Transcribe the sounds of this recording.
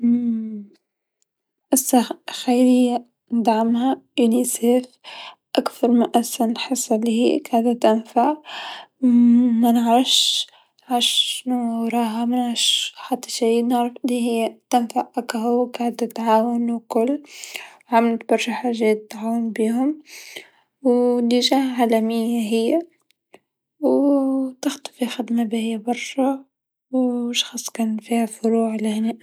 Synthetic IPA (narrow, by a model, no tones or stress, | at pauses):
ʔɪsːaxajlɪjːa | nd̪ʕamhaʔuniseːf | ʔakθɑɾˤmɪnʔasanlħɑsˤːɑlːihikaʕd̪at̪ɪnfaʕ | manʕɾɑfʃ | nʕɑʃnuwɾˤɑːɦamanʕɾɑʃħat̪ːɑ̥ʃiːnɪʕɾˤɑfʔɪliɦɪjːt̪anfaʔʔakahʊwkaʕd̪t̪ʕaːwʊnwkʊlː | ʕamɪlt̪̚bɑɾˤʃaħaʒɛːt̪t̪ːʕaːwʊnbiːɦʊm | wliʒahʕalæmɪjːaɦɪjːa | wt̪ɪxt̪ḁfixɪd̪mabihɪjːabɑɾˤʃɑ | wʃxɑsˤːkæːnfiːhafʊɾuːʕlɪhneːʔ